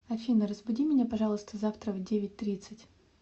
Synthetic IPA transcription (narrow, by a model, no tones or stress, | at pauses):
ɐfʲinəɾəzbʊdʲimʲɪnʲapɐʐɑlˠəst̪əzaft̪ɾəvdʲevʲɪt̚ʲt̪ɾʲit̪sɨtʲ